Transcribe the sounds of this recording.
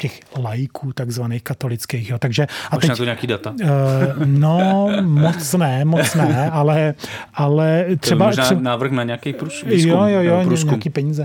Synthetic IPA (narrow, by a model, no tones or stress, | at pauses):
cɛxlajkʰuːt̪aɡzvaneːxkat̪o̞lɪt͡skeːxjoːt̪aɡʒɛʔat̪ɛnat̪oɲɛakiːdat̪a | nomot͡snɛmot͡snɛʔalɛʔalɛt̪rɛbaaɾɛnaːvɾ̩xnaɲɛakɛjpɾusjojojoɲɾɲɛakiːpɛɲiːzɛ